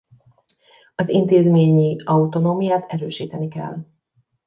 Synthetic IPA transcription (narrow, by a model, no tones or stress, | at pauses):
ɒzint̪eːzmeːɲiɒut̪o̞noːmijaːt̪ɛɾøːʃiːt̪ɛnikɛ̰lː